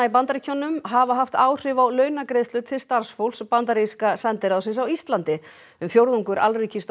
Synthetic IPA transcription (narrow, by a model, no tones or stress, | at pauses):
ip̬ant̪aɾicʰɔnʏmɦavaɦaft̪aːwr̥ɪvawlœːɥnakɾeðst̪ʏːt̪ʰɪlst̪aɾ̥sfowlspant̪aɾiskasɛnt̪ɪɾawsɪnsawist̪lant̪ɪ | ʏmfjowɾðuŋkʏɾʔa̰lriːcɪst̪